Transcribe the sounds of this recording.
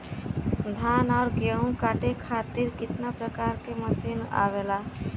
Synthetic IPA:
d̪ʱaːnaːɾɡjəũkaːʈekʰaːt̪iɾkɪt̪napɾəkaːɾkeməsina̰ʋela

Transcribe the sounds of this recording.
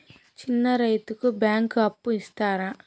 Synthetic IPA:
t͡ʃinːɐɾɐjt̪ukubjaːŋkɐpːuist̪aːɾa

